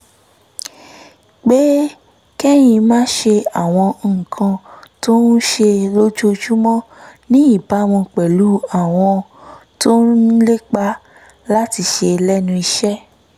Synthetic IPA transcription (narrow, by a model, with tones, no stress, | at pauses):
k͡pe˦ | kɛ˦j̃ĩ˧mãː˦ʃe˧a˨w̃ɔ̃˧˨kʰã˧to˦nu˦ʃe˧lo˦d͡ʒo˦d͡ʒu˦mɔ̃˦nĩ˦i˦˨ba˨˦w̃ɔ̃˧k͡pɛ˨lu˨˦a˦˨w̃ɔ̃˧to˦le˦k͡pa˦ | la˦ti˧ʃe˧lɛ˦nũ˧i˧ʃɛ˦